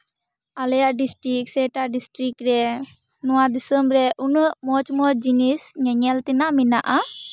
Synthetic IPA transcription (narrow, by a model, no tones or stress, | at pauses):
alɛjaɖisʈɾiksɛʈaɖisʈɾikɾɛ | nɔwad̪isəmɾɛʔunumɔt͡ʃmɔt͡ʃ̚d͡ʒinisɲɛɲɛlt̪inamina̰ʔa